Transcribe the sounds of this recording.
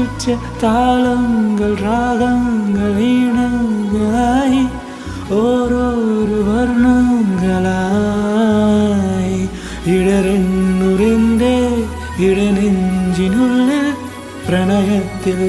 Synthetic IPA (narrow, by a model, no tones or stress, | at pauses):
ʊt͡ʃːɐt̪aːlɐŋɡɐɭɾaːɣɐŋɡɐɭiɳɐŋɡɐɭaːji | oɾoːɾɯʋɐɾnɐŋɡɐɭaː | ji | ɪɽɐɾɐnːʊɾɐnd̪e | ɪɽɐnɪɲd͡ʒɪnʊɭːɯ | pɾɐnɐjɐt̪ːɪl